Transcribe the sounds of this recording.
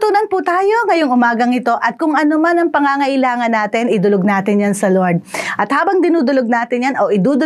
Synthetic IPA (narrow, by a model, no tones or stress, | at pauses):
t̪uːnɐnput̪aːjo̞ŋɐjoŋʔʊmaːɡɐŋɪt̪o̞ʔɐt̪̚kʊŋʔɐnomanɐŋpɐŋaŋɐʔɪlaːŋɐnːaːt̪ɪnɪd̪ʊloɡ̚naːt̪ɪnjansɐloɹd̪̚ʔɐt̪haːbɐŋd̪ɪnuːd̪ʊloɡ̚naːt̪ɪnjanoʔɪd̪uːd̪ʊ